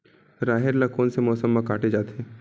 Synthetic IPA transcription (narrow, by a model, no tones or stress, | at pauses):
ɾaːɦeɾlɐkoːnsemɔːsəmːakaːʈed͡ʒaːt̪ɦeː